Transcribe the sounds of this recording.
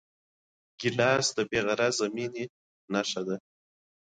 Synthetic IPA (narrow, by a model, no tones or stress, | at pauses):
ɡ̥ɪlɑːsd̪əbeɣaɾazamini | naʂad̪a